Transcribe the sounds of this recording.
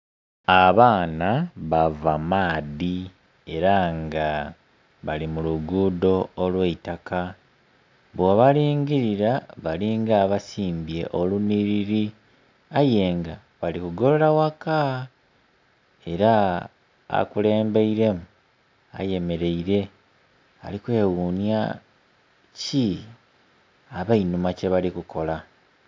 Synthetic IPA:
aβaːnaβavamaːði | e̞ɾaŋɡa | βalimuluɡuːdo̞ːlweitaka | βoβaɾiːŋɡiɾiɾaβaliŋɡaβasiːmbje̞̰ʔoluniɾiɾi | aje̞ːŋɡa | βalikuɡo̞loɾawaka | e̞ɾa | a̰kule̞ːmbeiɾe̞mu | a̰je̞me̞ɾe̞iɾe̞ | a̰likwe̞ːwunja̰ | ci | aβainumace̞βalikukʰo̞la

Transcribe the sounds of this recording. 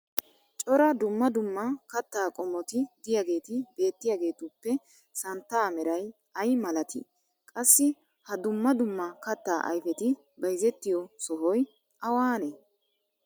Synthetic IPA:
t͡ʃʼɔɾɐd̪ʊmːɐd̪ʊmːɐkɐt̪ːaːkʼɔmːɔt̪ɪd̪ɪjaɡe̞ːt̪ɪbe̞ːt̪ːɪjaːɡe̞ːt̪ʊpːɛ | sɐnt̪ːaːmɛɾɐj | ɐjmɐlɐt̪ʰɪ̰ | kʼɐsːɪ | hɐd̪ʊmːɐd̪ʊmːɐkɐt̪ːaːʔɐ̰jfɛt̪ɪ | bɐjzɛt̪ːɪjɔsɔɦɔj | ʔɐwaːne

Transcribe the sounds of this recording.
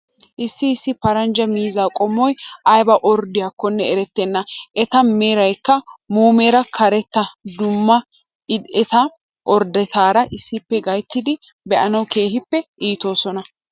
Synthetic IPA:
ʔɪsːɪːsːɪpɐɾɐnd͡ʒɐmiːzaːkʼɔmːɔjɐjbɐʔɔɾd̪ɪjakːɔnːɛɛɾɛt̪ːɛnːɐʔɛt̪ɐmeːɾɐjkːɐmuːmeːɾɐkʰɐɾɛt̪ːɐd̪ʊmːɐ | ɪɛt̪ɐ | ʔɔɾd̪ɛt̪aːɾɐʔɪsːɪpːɛɡɐjt̪ːɪd̪ɪ | bɛʔɐnɐwke̞ːhɪpːɛʔiːt̪o̞ːsɔnɐ

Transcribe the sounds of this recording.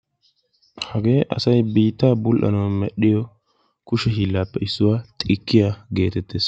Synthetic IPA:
hɐɡe̞ːʔɐ̰sɐjbiːt̪ːaːbʊlʔɐ̰nɐwmɛɗːɪjɔ | kʊʃɛɦiːlːaːpːɛɪsːʊwaːt̪ʼɪkːɪjaɡe̞ːt̪ɛt̪ːeːs

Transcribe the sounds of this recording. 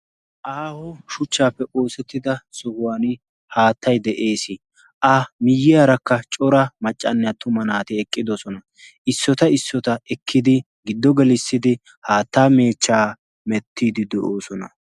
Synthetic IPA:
ʔaːhɔʃʊt͡ʃːaːpːɛʔo̞ːsɛt̪ːɪd̪ɐsɔhʊwaːnɪ | haːt̪ʰːɐjd̪ɛʔe̞ːsɪ | ʔɐmɪjːɪaːɾɐkːɐt͡ʃʼɔɾɐmɐt͡ʃʼːɐnːɛɐt̪ʊmɐnaːt̪ɪɛkʼːɪd̪ɔsɔnɐ | ɪsːɔt̪ɐɪsːɔt̪ɐɛkʰːɪd̪ɪ | ɡɪd̪ːɔɡɛlɪsːɪd̪ɪ | haːt̪ːaːme̞ːt͡ʃːaː | mɛt̪ːiːd̪ɪd̪ɛʔoːsɔnɐ̰

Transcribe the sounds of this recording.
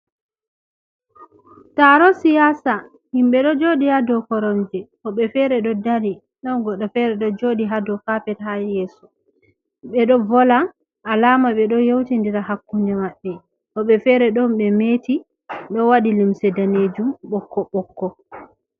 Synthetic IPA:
taɾɔsijasa | himɓɛɗɔd͡ʒoɗihadɔkɔɾɔnd͡ʒɛhɔɓɛfɛɾɛɗɔdaɾi | nawɡɔɗɔfɛɾɛɗɔd͡ʒoːɗiɦadɔfapɛthajɛːsu̥ | ɓɛɗɔvɔlaː | laːmaɓɛɗɔjowtindiɾahakːuɲd͡ʒɛmaɓːɛ | hɔɓɛfɛɾɛɗɔmɓɛmeti | ɗɔwaɗilimsɛdaned͡ʒumɓɔkːɔɓɔkːɔ

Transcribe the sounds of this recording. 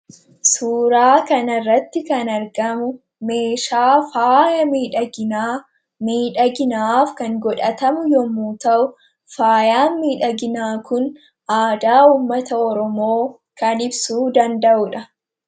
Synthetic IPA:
suːɾaːkɐnɐrːɐt̪ːɪkɐnɐɾɡɐmʊ | me̞ːʃaːfaːjɐmiːᶑɐɡɪ | miːᶑɐɡɪnaːfkɐŋɡɔᶑɐt̪ɐmʊjɔmuːt̪ɐʔʊ | faːjaːnmiːᶑɐɡɪnaːkʊn | ʔaːd̪aːuːmːɐt̪ɐɔɾɔmoː | kɐnɪbsuːd̪ɐnd̪ɐʔʊᶑɐ

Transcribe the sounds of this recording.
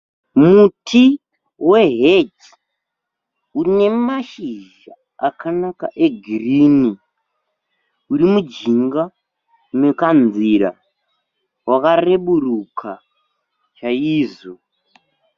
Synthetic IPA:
mutʰi | we̞ɦed͡ʒ | une̞maʃiʒ | a | akʰanaka̰ʔe̞ɡʱirini | uɾimud͡ʒiŋɡa | nekanziɾa̰ | wakare̞ɓuɾukʰa | t͡ʃaiːzo

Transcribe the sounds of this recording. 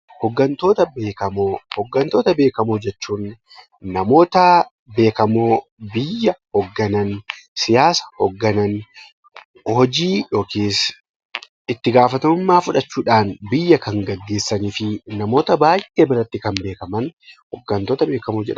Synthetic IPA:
hɔɡːɐnt̪o̞ːt̪ɐbeːkɐmoːhɔɡːɐnt̪o̞ːt̪ɐbe̞ːkɐmoːd͡ʒɛt͡ʃːuːnː | ɐmo̞ːt̪ɐ | be̞ːkɐmoːbɪjːɐhɔɡːɐnɐnsɪjaːsɐ̥hɔɡːɐnɐn | hɔd͡ʒiːjo̞ːkeːs | ɪt̪ːɪɡaːfɐt̪ɐmʊmːaːfʊᶑɐt͡ʃːuːᶑaːnbɪjːɐkɐŋɡɐɡːe̞ːsːɐniːfɪnɐmo̞ːt̪ɐbaːjʔeːbɪɾɐt̪ːɪkɐmbe̞ːkɐmɐnhɔɡːɐnt̪oːt̪ɐbe̞ːkɐmoːd͡ʒɛ̰ᶑ

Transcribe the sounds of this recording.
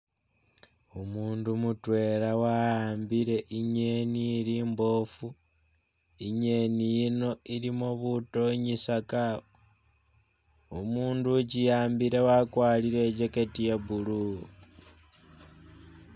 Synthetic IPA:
umuːndumutwe̞ːɾawajaːmbiɾe̞ʔiɲeniːɾiːmbo̞fu | iɲe̞nijino̞iɾimoβuto̞ɲisakaβo | umuːnducijaːmbiɾe̞wakwaːliɾe̞t͡ʃeketijeβulu

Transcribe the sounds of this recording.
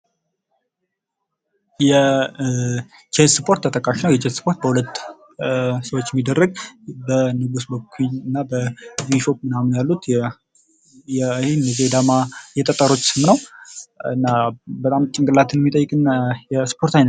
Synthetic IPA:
jɛ | t͡ʃʰet̪sɨpʰo̞ɾt̪ʰːət̪ʼəkʼːaʃinəwjɛt͡ʃʰet̪sɨ̥pʰo̞ɾt̪̚bəhulət̪ː | səwot͡ʃːjɛmid̪ːərːəɡ̚bənɨɡusbəkʰinɨnːabəwiʃok̚mɨnamnjalːut̪ | jɛhenːəzed̪amajɛt̪ʼət̪ʼːəɾo̞t͡ʃːsɨmnəw | ɨnːabət̪ʼamt͡ʃʼɪŋɡɨlːat̪ʰɨnmit̪ʼəjːɨkʼɨnjɛsɨ̥pʰo̞ɾt̪ajnə

